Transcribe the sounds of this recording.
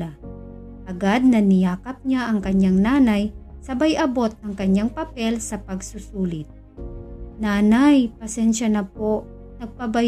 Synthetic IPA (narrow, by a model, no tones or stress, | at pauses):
a | ʔɐɡad̪̚nɐnɪjaːkɐp̚ɲaʔɐŋkɐɲaŋnaːnɐjsɐbɐjʔɐbo̞t̪̚nɐŋkɐɲaŋpɐpɛlsɐpɐɡsʊsuːlɪt̪̚ | naːnajpɐsɛnʃɐnɐp̚oʔ | nɐɡ̚pɐbɐ